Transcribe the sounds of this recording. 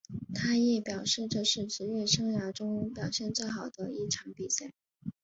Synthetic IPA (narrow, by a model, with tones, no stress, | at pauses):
t̪ʰa˥jɛ˥˩pjɑ˨˩ʊʂɻ̩˥˧ʈ͡ʂɤ˥˧ʂɻ̩˥˩ʈ͡ʂɻ̩˧˥ɥɛ˥˩ʂɤ˥ŋja˧˥ʈ͡ʂʊ˥ŋpjɑ˨˩ʊɕjɛ˥˧nt͡swe˥˩ɪxɑ˨˩ʊd̪ə˦i˥˩ʈ͡ʂʰɑ˧˥ŋpi˨˩ɕa˥˩